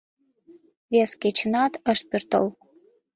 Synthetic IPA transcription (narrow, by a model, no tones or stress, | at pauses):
βesket͡ɕənɑt̪əʃt̪̚pørt̪ə̰l